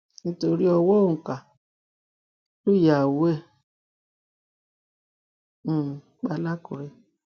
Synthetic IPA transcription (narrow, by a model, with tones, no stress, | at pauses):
n̩˦to˧ɾi˦ɔ˧wɔ˦o˨ŋ̩˨ka˨ | lu˦˨ja˨wu˨˦ɛ˦˨ | k͡pa˧˦la˦kɔ˨˦ɾɛ˧